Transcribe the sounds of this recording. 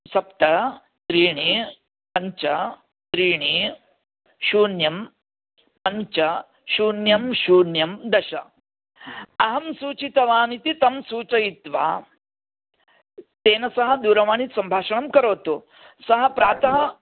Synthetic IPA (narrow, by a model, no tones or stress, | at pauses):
sɐpt̪ɐ | sɾiːɳi | pɐɲt͡ʃɐ | t̪ɾiːɳi | ʃuːnjɐm | pɐɲt͡ʃɐ | ʃuːnjɐmʃuːnjɐmd̪ɐʃɐ̰ | ɐɦɐmsuːt͡ʃit̪ɐʋaːnit̪it̪ɐmsuːt͡ʃɐjit̪ʋa̰ː | t̪eːnɐsɐɦɐ̆d̪uːɾɐʋaːɳisɐmbʱaːʂɐɳɐmkɐɾoːt̪u | sɐɦɐ̆pɾaːt̪ɐɦɐ